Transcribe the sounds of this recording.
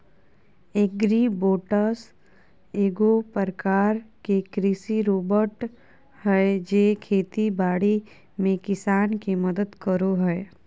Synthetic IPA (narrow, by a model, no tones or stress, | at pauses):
eːk̚ɡɾiːboːʈəs | eːɡopəɾəkaːɾkekɾiʃiɾoːbəɾʈ | ɦɛd͡ʒeːkʰeːt̪ibaːɽi | mẽkɪsaːnkiməd̪əd̪kəɾoɦɛː